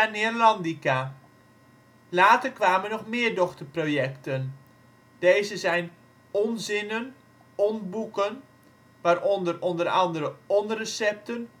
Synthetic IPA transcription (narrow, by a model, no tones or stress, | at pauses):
anɪrlɑndika | laːtərkʋaːmənɔχmɪːərdɔxtərproːjɛktən | d̥ejzəzɛjn | ɔnzɪnən | ɔnbukən | ʋaːɾɔndərɔndərɑndəɾəɔnrəsɛp̚tən